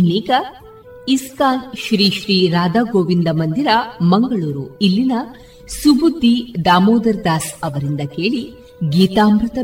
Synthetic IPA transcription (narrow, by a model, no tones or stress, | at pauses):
niːkɐ | iskaːnʃɾiːʃɾiːɾaːd̪aːɡoːʋind̪ɐmɐnd̪iɾɐmɐŋɡɐɭuːɾuilːinɐ | subud̪ʱːid̪aːmoːd̪ɐɾd̪aːsɐʋɐɾind̪ɐke̞ːɭi | ɡiːt̪aːmɾut̪ɐ